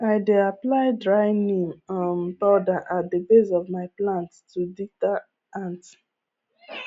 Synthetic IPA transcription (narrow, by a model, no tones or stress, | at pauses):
aɪdeaplaɪdɹaɪnĩmmbɔdaʔat̚dəbezɔvmaɪplãnttudita | ãnt